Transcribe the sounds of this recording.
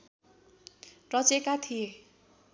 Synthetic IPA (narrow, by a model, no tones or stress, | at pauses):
rʌt͡sekat̪ʰije